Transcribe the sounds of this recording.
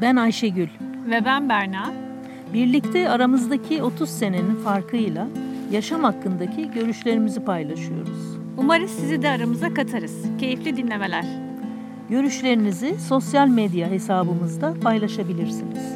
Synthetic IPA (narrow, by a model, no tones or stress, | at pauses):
bænajʃeɟylʲ | vɛbænbæɾnaː | biɾlʲict̪ʰɛaɾamɯzd̪acʰio̞t̪ʰuzse̞ne̞ninfaɾkʰɯjlˠajaʃamhakːɯnd̪acʰiɟø̞ɾyʃlʲe̞ɾimizipajlˠaʃɯjo̞̰ɾuzz̥ | umaɾɯsizid̪ɛaɾamɯzakat̪ʰaɾɯz̥cʰe̞jiflʲid̪inlʲe̞me̞lʲæɾ̥ | ɟø̞ɾyʃlʲe̞ɾiniziso̞sjalʲmed̪jaɦe̞saːbɯmɯzd̪apʰajlˠaʃabilʲiɾsiniz̥